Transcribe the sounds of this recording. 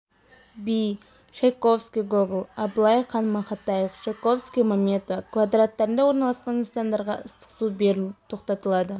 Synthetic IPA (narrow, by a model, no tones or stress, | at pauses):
bij | ʃejko̞fskʲijɡoɡlˠɑblˠɑjχɑnmɑχɑt̪ːɑjefʃejko̞fskʲijmamet̪okvad̪rat̪ːɑɾənd̪ɑwo̞ɾnɑlˠɑsqɑninsɑnd̪ɑɾʁɑ̰ʔəst̪ə̥qsubeɾɪt̪ʰo̞qt̪ɑt̪əlˠɑd̪ə